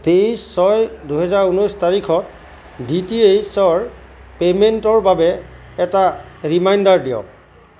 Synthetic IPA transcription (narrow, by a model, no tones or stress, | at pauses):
tejsɔjduɦɛzaɹunɔjstaɹikʰɔt̚ | ditiejsɔɹ | pementɔɹbabɛː | taɹimajndaɹdijɔ̰k